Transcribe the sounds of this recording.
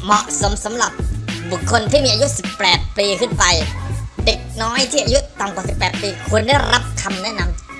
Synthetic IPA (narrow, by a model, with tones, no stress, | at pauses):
mɔ˨˩ʔso˩˦msa˩˦mɾa˨˩p̚bu˨˩kʰːo˧nt̪ʰiː˥˩iː˧ʔa˧ju˦˥si˨˩pːɛː˨˩t̪̚piː˧kʰɯ˥˩npa˧jde˨˩k̚nɔː˦˥jt̪ʰiː˥˩ʔa˧ju˦˥ʔt̪a˧mŋkwaː˨˩si˨˩pːɛː˨˩t̪̚piː˧kʰu˧ənda˥˩jɾʔa˦˥p̚kʰa˧mnɛ˦˥ʔna˧m